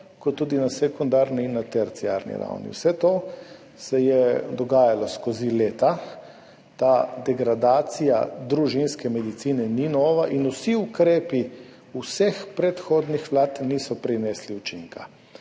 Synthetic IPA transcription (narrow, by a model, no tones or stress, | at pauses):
kɔt̪ːuːd̪inasɛkund̪aːɾniinːat̪ɛɾt̪siaɾnḭɾa̰wnḭwsɛt̪oː | sɛjɛd̪ɔɡaːjalɔskozileːt̪a | t̪ad̪ɛɡɾad̪aːt̪sija̰d̪ɾuʒinskɛmɛd̪it̪siːnɛninɔːʋaʔinusiukɾeːpi | usɛxpɾɛt̪xoːd̪nixʋlaːt̪nisɔpɾinɛːsliut͡ʃiŋka̰